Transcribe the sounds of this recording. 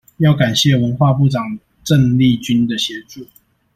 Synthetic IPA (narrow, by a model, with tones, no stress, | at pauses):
jɑ˥˩ʊka˨˩nɕjɛ˥˨wə˧˦nxwa˥˧pu˥˨ʈ͡ʂɑ˨˩ŋ | ʈ͡ʂə˥˧ŋli˥˨t͡ɕy˦nd̪ə˨ɕjɛ˨˧˥ʈ͡ʂu˥˨